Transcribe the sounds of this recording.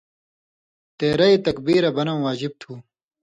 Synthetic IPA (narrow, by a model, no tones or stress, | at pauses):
t̪eːɾɐit̪ɐkbiːɾɐbɐnɐ̃ːwaːd͡ʑib̚t̪ʰuː